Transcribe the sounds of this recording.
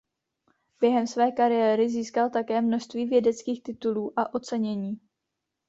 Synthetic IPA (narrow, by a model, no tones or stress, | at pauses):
b̥jɛɦɛmsvɛːkaɾɪjɛːɾɪziːskalt̪akɛːmno̞ʃst̪viːvjɛdɛt͡skiːxt̪ɪt̪uluːʔaʔo̞t͡sɛɲɛɲiː